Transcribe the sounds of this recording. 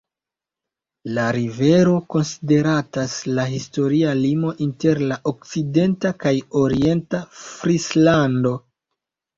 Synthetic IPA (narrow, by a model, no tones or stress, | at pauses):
laɾive̞ɾo̞ko̞nside̞ɾataslaɦisto̞ɾialimo̞ʔinte̞ɾlaʔo̞k̚t͡side̞ntakajo̞ɾie̞ntafɾislando̞